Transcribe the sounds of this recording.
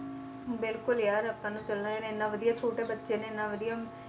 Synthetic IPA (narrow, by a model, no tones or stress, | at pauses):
bɪlkʊljaːɾɐpːãːnũːt̪ɐlnãjaːneenːãːʋəd̪ijaːt͡ʃʰoːʈebɐtːʃenẽenːãʋəd̪ija